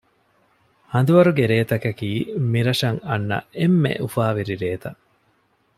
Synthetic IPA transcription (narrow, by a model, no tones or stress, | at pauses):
hɐnd̪uʋɐɾuɡeɾeːt̪ɐkɐkiːmiɾɐʂɐŋɐnːɐ̰emːḛʔufaːʋiɾiɾeːt̪ɐ